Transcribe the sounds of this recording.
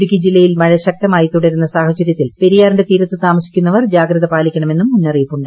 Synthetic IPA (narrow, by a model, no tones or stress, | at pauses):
ɽukʲːɐd͡ʑilːɐjilmɐɻɐɕɐk̚t̪ɐmaːjit̪ːuɽeɾunːɐsaːhɐt͡ɕɐɾjɐt̪ːilpe̞ɾijaːɾɳɖe̞t̪iːɾɐt̪ːɨt̪aːmɐsi̥kʲːunːɐʋɐrd͡ʑaːɡɾɐðɐpaːlikʲːɐɳɐme̞nːumːunːɐriːpːuɳɖɨ